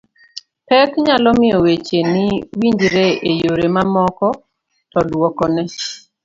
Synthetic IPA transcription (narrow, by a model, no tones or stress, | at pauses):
tɛkɲalɔmɪɔwet͡ʃenɪwiɲd͡ʒɾeejoɾemamɔkɔ | tɔlwɔkɔnɛ